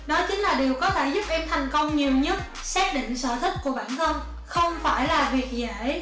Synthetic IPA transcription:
nɔ˨˦jt͡ɕï˨˦ŋlaː˨˩ɗe˨˩əwkɔ˨˦t̪ʰe˧˩zʊ˦˥p̚ʔɛ˧mt̪ʰa˨˩jŋ̟kə˧wŋ͡mɲi˨˩əwɲə˦˥t̚ | sɛː˦˥t̚ɗḭ˧˨ŋ̟sə̰ː˧˩t̪ʰï˦˥k̚ku˧˩əɓa̰ː˧˩nt̪ʰə˧n | xə˧wŋ͡mfaː˧˩jlaː˨˩vi˨˩ək̚za̰ː˧˩j

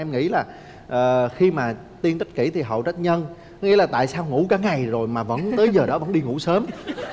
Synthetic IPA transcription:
ʔɛ˧mŋḭ˧˥laː˨˩ | ʔəː˨˩xi˧maː˨˩ | t̪i˧nt̪ə˦˥t̚kḭ˧˩t̪ʰi˨˩ɦə̰˧˨wt͡ɕa˦˥t̟̚ɲə˧n˨˦ | ŋi˧˥laː˨˩t̪a̰ː˧˨jsaː˧wŋṵ˧˥kaː˨˦ŋa˨˩jzo˨˩jmaː˨˩və̰˧˥nt̪əː˨˦jzəː˨˩ɗɔ˨˦və˧˥nɗi˧ŋṵ˧˥səː˨˦m

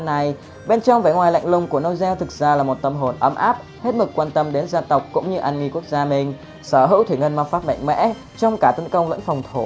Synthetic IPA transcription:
na˨˩j | ɓe˧nt͡ɕɔ˧wŋ͡mvaː˨˩ŋwaː˨˩la̰˧˨jŋlʊ˨˩ŋ͡mku˧˩əno˧wzɛ˧wt̪ʰɨ˨˩k̚zaː˧laː˨˩mo˨˩t̚t̪ə˨˩mɦo˨˩nʔə˨˦mʔa̰ː˦˥p̚ | he˦˥t̚mɨ˨˦˩k̚ːwaː˧nt̪ə˧mɗe˨˦nzaː˧t̪ə˨˩wk͡p̚kʊ̰˧˥ŋ͡mɲɨ˧ʔa˧nŋi˧ku˦˥ək̚zaː˧mï˨˩ŋ̟ | səː˧˩ɦɨ̰˧˥wt̪ʰi˧˩ŋə˧˩nma˧˩faː˦˥p̚ma̰˧˨jŋ̟mɛ̰˧˥ | t͡ɕɔ˧wŋ͡mkaː˧˩t̪ə˨˦nkə˧wŋ͡mlə̰˧˥nfɔ˨˩wŋ͡mt̪ʰo˧˩

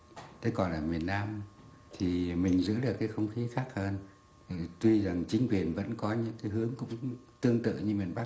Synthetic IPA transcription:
t̪ʰe˨˦jkɔ˨˩nlaː˨˩mi˨˩ənːaː˧m | t̪ʰi˨˩mï˨˩ŋ̟zɨ̰˧˥lɨ˨˩k̚aː˨˦jxə˧wŋ͡mxi˨˦xaː˦˥k̚həː˧n˨˩ | t̪wi˧za˨˩ŋt͡ɕï˨˦ŋ̟kwi˨˩ənvə̰˧˥nkɔ˨˦ɲɨ̰˧˥ŋkaː˨˦jɦɨ˨˦əŋkʊ̰˧˥ŋ͡mt̪ɨ˧əŋt̪ɨ̰˧˨ɲɨ˧mi˨˩ənɓa˦˥

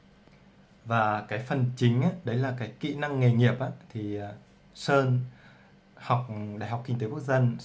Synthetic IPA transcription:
vaː˨˩kaː˨˦jfə˨˩nt͡ɕï˨˦ŋ̟ʔaː˨˦ɗə˨˦jlaː˨˩kaː˨˦jkḭ˧˨na˧ŋːe˨˩ŋi˨˩əp̚ʔaː˨˧˦t̪ʰi˨˩˨ | səː˧n | ha˨˩wk͡p̚ɗa̰ː˧˨jɦa˨˩k͡pki˧ŋ̟t̪e˨˦ku˦˥ək̚za˧n

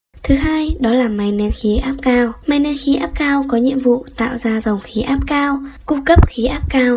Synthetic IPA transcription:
t̪ʰɨ˨˦ɦaː˧jɗɔ˨˦laː˨˩ma˨˩jnɛ˧nxi˨˦ʔaː˦˥p̚kaː˧wma˨˩jnɛ˧nxi˨˦ʔaː˦˥p̚kaː˧wkɔ˨˦ɲḭ˧əmvṵ˧˨t̪a̰ː˧˨wzaː˧za˨˩wŋ͡mxi˨˦ʔaː˦˥p̚kaː˧wku˧kə˦˥p̚xi˨˦ʔaː˦˥p̚kaː˧w

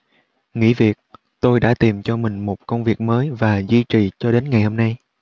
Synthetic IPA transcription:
ŋḭ˧˥vi˨˩ək̚ | t̪o˧jɗa̰ː˧˥t̪i˨˩mt͡ɕɔ˧mï˨˩ŋ̟mo˨˩t̚kə˧wŋ͡mvi˨˩ək̚məː˨˦jvaː˨˩zwi˧t͡ɕi˨˩t͡ɕɔ˧ɗe˨˦nŋa˨˩jho˧mna˧j

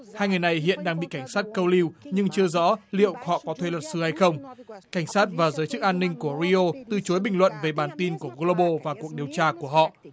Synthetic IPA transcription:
haː˧jŋɨ˨˩jna˨˩jɦḭ˧˨ənɗaː˧ŋɓḭ˧˨ka˧˩ŋ̟saː˦˥t̚kə˧wli˧wɲɨ˧ŋt͡ɕɨ˧əzɔ̰˧˥lḭ˧˨əwhɔ̰˧˨kɔ˨˦t̪ʰwe˧lwə˨˩t̚sɨ˨˦ha˧jxə˧wŋ͡mka˧˩jŋ̟saː˦˥t̚vaː˨˩zəː˨˦jt͡ɕɨ˦˥k̚ʔaː˧nːï˧ŋ̟ku˧˩əɾi˧o˧t̪ɨ˨˩t͡ɕo˨˦jɓï˨˩ŋlwə̰˧˨nve˨˩ɓaː˨˩nt̪i˧nku˧˩əɣo˧lo˧ɓo˧vaː˨˩ku˨˩ək̚ɗi˨˩əwt͡ɕaː˧ku˧˩əɦɔ̰˧˨

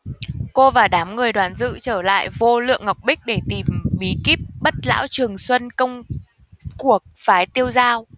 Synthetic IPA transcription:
ko˧vaː˨˩ɗaː˨˦mŋɨ˨˩əjɗwaː˨˩˦nzɨ̰˧˨t͡ɕəː˧˩la̰ː˧˨jvo˧lɨ̰˧˨əŋːa˨˩wk͡p̚ɓï˦˥k̟̚ɗe˧˩t̪i˨˩mɓi˨˦ki˦˥p̚ɓə˦˥t̚la̰ː˧˥wt͡ɕɨ˨˩əŋswə˧nkə˧wŋ͡m | ku˧˨˩ək̚faː˨˦jt̪i˧əwzaː˧w

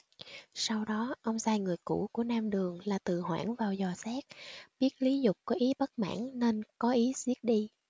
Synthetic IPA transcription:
sa˧wɗɔ˨˦ʔə˧wŋ͡mzaː˧jŋɨ˨˩əjkṵ˧˩ku˧˩ənaː˧mɗɨ˨˩əŋlaː˨˩t̪ɨ˨˩ɦwa̰ː˧˩nvaː˨˩wzɔ˨˩sɛ˦˥k̚ɓi˦˥ət̚li˨˦zʊ˨˩k͡p̚kɔ˨˦ʔi˨˦ɓə˦˥t̚ma̰ː˧˥˩nne˧nkɔ˨˦ʔi˨˦zi˦˥ət̚ɗi˧

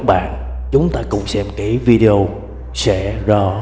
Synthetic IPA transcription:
ɓa̰ː˧˨n | t͡ɕʊ˨˦ŋ͡mt̪aː˧kʊ̰˧˥wŋ͡msɛ˧mki˧˩vi˧ɗe˧o˧ | sɛ̰˧˥zɔ˧˦

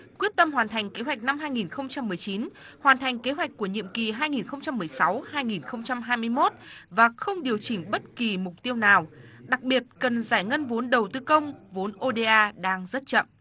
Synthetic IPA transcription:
kwi˦˥ət̚t̪ə˧mhwaː˨˩nt̪ʰa˨˩jŋ̟ke˨˦ɦwa˨˩k̟̚na˧mɦaː˧jŋi˨˩nxə˧wŋ͡mt͡ɕa˧mːɨ˨˩əjt͡ɕi˨˦nhwaː˨˩nt̪ʰa˨˩ŋ̟ke˨˦ɦwa˨˩k̟̚ku˧˩əɲḭ˧˨əmki˨˩ɦaː˧jŋi˨˩nxə˧wŋ͡mt͡ɕa˧mːɨ˨˩əjsa˨˦whaː˧jŋi˨˩nxə˧wŋ͡mt͡ɕa˧mɦaː˧jmɨ˧əjmo˦˥t̚vaː˨˩xə˧wŋ͡mɗi˨˩əwt͡ɕï˧˩ŋ̟ɓə˦˥t̚ki˨˩mʊ˨˩k͡p̚t̪i˧əwnaː˨˩wɗa˨˩k̚ɓi˨˩ət̚kə˨˩nzaː˧˩jŋə˧nvo˨˦nɗə˨˩wt̪ɨ˧˩kə˧wŋ͡mvo˨˦nʔo˧ɗe˧ʔaː˧ɗaː˧ŋzə˦˥t̚t͡ɕə̰˧˨mʔ

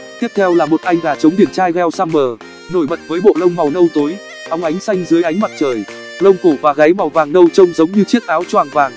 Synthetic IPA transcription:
t̪i˦˥əp̚t̪ʰɛ˧wlaː˨˩mo˨˩t̚ʔa˧jŋ̟ɣaː˨˩t͡ɕə˨˦wŋ͡mɗi˨˧˩ənt͡ɕaː˧jɣɛ˧wsaː˧mɓəː˨˩ | no˧˩jɓə˨˩t̚vəː˨˦jɓo̰˧˨lə˧wŋ͡mma˨˩wnə˧wt̪o˨˦j | ʔa˨˧wŋ͡mʔa˨˦jŋ̟sa˧jŋ̟zɨ˨˦əjʔa˨˦jŋ̟ma˨˩t̚t͡ɕəː˨˩j | lə˧wŋ͡mko˧˩vaː˨˩ɣa˨˦jma˨˩wvaː˨˩ŋnə˧wt͡ɕə˧wŋ͡mzə˨˦wŋ͡mɲɨ˧t͡ɕi˦˥ət̚ʔaː˨˦wt͡ɕwaː˨˩ŋvaː˨˩ŋ

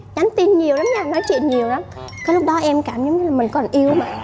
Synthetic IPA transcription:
ɲa˨˦ŋt̪i˧nɲi˨˩əwla˨˦mɲa˨˧˩nɔ˨˦jt͡ɕwḭ˧˨ənɲi˨˩əwla˨˦m | kəː˨˦lʊ˦˥k͡p̚ɗɔ˨˦ʔɛ˧mkaː˧˩mə˨˦ŋ͡mɲɨ˧laː˨˩mï˨˩ŋ̟kɔ˨˩nʔi˧əwmaː˨˩

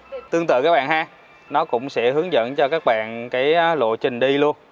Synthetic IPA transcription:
t̪ɨ˧əŋt̪ɨ̰˧˨kaː˦˥k̚ɓaː˧˨nhaː˧ | nɔ˨˦kʊ̰˧˥wŋ͡msɛ̰˧˥hɨ˨˦əŋzə̰˧˨nt͡ɕɔ˧kaː˦˥k̚ɓa̰ː˧˨nkaː˨˦jlo̰˧˨t͡ɕï˨˩ŋ̟ɗi˧lu˧ən

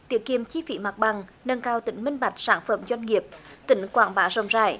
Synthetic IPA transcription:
t̪i˨˦əkːi˧˩əmt͡ɕi˧˦fḭ˧˩˦ma˨˩t̚ɓa˨˩ŋnə˧nkaː˧wt̪ï˧˩˦ŋ̟mï˧ŋ̟ɓa˨˩jk̟̚saː˧˩nfə˧˩mzwa˧jŋ̟ŋi˨˩əp̚t̪ï˨˦ŋ̟kwa̰ː˧˩ŋɓaː˨˦zə̰˧˩wŋ͡mza̰ː˧˩˨j

